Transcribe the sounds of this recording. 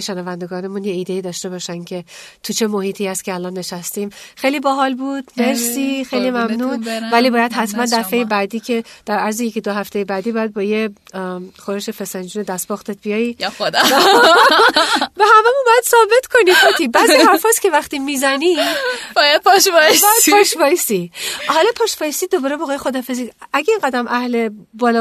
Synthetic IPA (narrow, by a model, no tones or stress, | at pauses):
ʃenævænd̪eɡɒːnemunjeiːd̪eiːd̪ɒːʃt̪e̞bɒːʃæncʰe̞t̪ʰut͡ʃʰe̞mohiːt̪ʰiːhæst̪̚cʰeælɒnːe̞ʃæst̪iːmxejliːbɒɦɒːlbuːd̪̥neɾsiːxejlimæmnunvæliːbɒːjæd̪hæt̪ʰmænd̪æfejibæd̪iːcʰe̞d̪̥æɾæɾzejecʰid̪oɦæft̪ʰejebæːd̪iːbɒːjæd̪̚bɒːje | xoɾuʃefesænd͡ʒuːned̪æst̪b̥ɒːxd̪et̪̚ʰbijɒːjiod̪ | beɦæmæmunbɒjæd̪̥sɒːbe̞t̪ʰkʰonixot̪ʰiːbæzijhæɾfɒːscʲe̞væxt̪imizænib̥ɒjad̪̚pʰɒʃbbɔjæd̪pɒʃbɒisihɒlɒpʰɒːʃfɒːjisiːd̪obɒːɾebɒɣɒːjexod̪ɒfeziæɡeiŋɡæd̪æmʔæhlebɒːlɒ